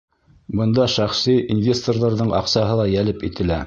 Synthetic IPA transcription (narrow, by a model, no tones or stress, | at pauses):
bɤ̆nd̪ɑʃæχsiʔinvʲe̞st̪orðɑɾðɤɴɑ̰qsɑɦɤlˠɑjælɘpit̪ɘ̆læ